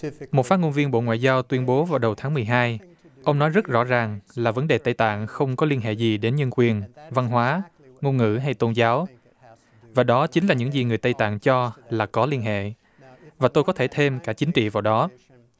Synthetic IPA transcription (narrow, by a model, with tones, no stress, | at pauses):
mo˨˩t̚faː˦˥k̚ŋo˧nvi˧ənɓo̰˧˨ŋwa̰ː˧˨jzaː˧wt̪wi˧ənɓo˨˦vaː˨˩wɗə˨˩wt̪ʰaː˨˦ŋmɨ˨˩əjɦaː˧j | ʔə˧wŋ͡mnɔ˨˦jzə˦˥t̚zɔ̰˧˥zaː˨˩ŋlaː˨˩və˨˦nɗe˨˩t̪ə˧jt̪a̰ː˧˨nxə˧wŋ͡mkɔ˨˦li˧ənɦḛ˧˨zi˨˩ɗe˨˦nɲə˧nkwi˨˩ənva˧nɦwaː˨˦ | ŋo˧nŋɨ̰˧˥ɦa˧jt̪o˧nzaː˨˦w | vaː˨˩ɗɔ˨˦t͡ɕï˨˦ŋ̟laː˨˩ɲɨ̰˧˥ŋzi˨˩ŋɨ˨˩jt̪ə˧jt̪a̰ː˧˨ŋt͡ɕɔ˧laː˨˩kɔ˨˦li˧ənɦḛ˧˨ | vaː˨˩t̪o˧jkɔ˨˦t̪ʰe˧˩t̪ʰe˧mkaː˧˩k̚t͡ɕï˨˦ŋ̟t͡ɕḭ˧˨vaː˨˩wɗɔ˨˦